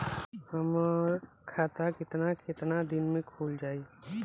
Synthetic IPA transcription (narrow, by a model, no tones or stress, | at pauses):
həmɾ | kʰaːt̪akɪt̪nakɪt̪nad̪ɪnmẽkʰuːld͡ʒaːi